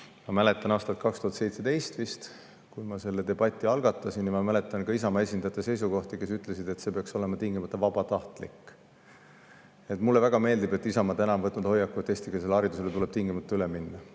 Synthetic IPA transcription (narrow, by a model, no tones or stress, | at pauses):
mɑmæle̞t̪ːˑɑnɑːst̪ɑt̪kɑkst̪uhɑt̪se̞jt̪se̞t̪e̞jst̪vist̪ | kujmɑse̞lːe̞d̪e̞bɑt̪ʲːˑiɑlɡ̥ɑt̪ːˑɑsinːimɑmæle̞t̪ːˑɑnkɑisɑmɑe̞s̬ʲind̪̥ɑjɑt̪ːese̞js̬uko̞ht̪ike̞syt̪ˑle̞sid̪e̞t̪se̞ːpeɑkso̞le̞mɑt̪iŋɡimɑt̪ˑːɑvɑb̥ɑt̪ɑht̪lḭkː | et̪ːˑmulːe̞væɡ̥ɑme̞ːld̪ibe̞t̪ːˑisɑmɑt̪ænɑmvɤt̪ːˑnud̪ho̞jːɑkːut̪ːˑe̞ːst̪ikɑse̞lːeɑɾid̪uselet̪ule̞b̥t̪iŋɡimɑt̪ːɑyleminːɑ